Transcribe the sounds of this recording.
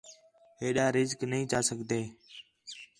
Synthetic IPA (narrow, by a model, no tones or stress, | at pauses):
ɦeːɗaːɾɪzknəĩːt͡ʃaːsəɡʱd̪eː